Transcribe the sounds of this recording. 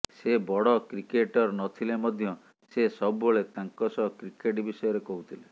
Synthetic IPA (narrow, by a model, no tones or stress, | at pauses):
sebɔɽɔkɾikeʈɔɾnɔt̪ʰilemɔd̪ʱjɔ | sesɔbuboɭet̪aŋkɔsɔɦɔkɾikeʈbisɔjɔɾekɔɦut̪ʰile